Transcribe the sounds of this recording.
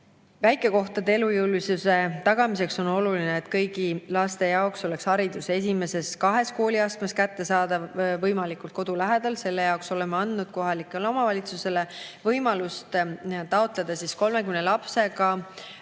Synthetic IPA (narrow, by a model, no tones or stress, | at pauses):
væjkːˑe̞ko̞ht̪ɑd̪eelujɯwlvisuse̞t̪ɑɡ̥ɑmis̬e̞kso̞no̞lulineːt̪kɤjɡilɑst̪e̞jɑokso̞le̞kshɑɾid̪̥use̞s̬ʲime̞se̞skɑɦe̞sko̞ːliɑst̪meskæt̪ːe̞sɑːd̪̥ɑvɤjmɑlikˑult̪ko̞d̪̥ulæɦed̪̥ɑlse̞lːe̞jɑokso̞lemːeɑnd̪̥nud̪̥̚ko̞ɦɑlikːˑeleo̞mɑvɑlʲit̪suse̞levɤjmɑlust̪t̪ɑot̪ˑle̞d̪̥ɑsisko̞lme̞kymnelɑpse̞kɑ